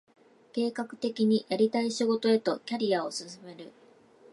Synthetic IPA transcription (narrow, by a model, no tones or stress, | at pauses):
ke̞ːkakɯ̟̥t̪e̞kʲiɲ̟ijaɾʲit̪aiɕiɡo̞t̪o̞e̞t̪o̞kʲaɾʲiao̞sɨsɨme̞ɾɯ̟